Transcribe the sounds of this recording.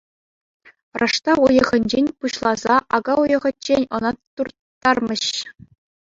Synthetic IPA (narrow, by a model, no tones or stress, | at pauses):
rʔɑʂt̪ɑujɤ̆ʁɘ̆nʲd͡ʑenʲpuɕlˠɑzɑʔɑɡɑujɤ̆ʁɘ̆t͡ɕːenʲɤ̆nɑt̪ːurt̪ːɑrmʲɤ̆ɕ